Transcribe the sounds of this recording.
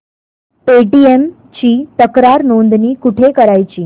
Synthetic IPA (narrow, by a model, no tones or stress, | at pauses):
peʈiem | t͡ɕiːt̪əkɾaɾnond̪niːkuʈʰekəɾajt͡ɕiː